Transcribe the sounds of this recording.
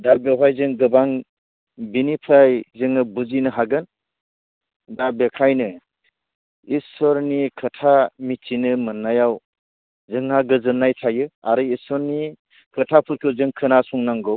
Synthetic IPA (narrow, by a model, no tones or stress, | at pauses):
dabeɦʰajzɯŋɡɯbaŋ | binipʰajzɯŋɯbuzinɯɦaɡɯn | dabekʰajnɯ | isɔɾnikʰɯtʰamit͡ʃinɯmɯnːajaw | zɯŋːaɡɯzɯnːajtʰajɯaɾɯisɔɾni | kʰɯtʰapʰɯɾkʰɯzɯŋkʰɯnasuŋnaŋɡɯw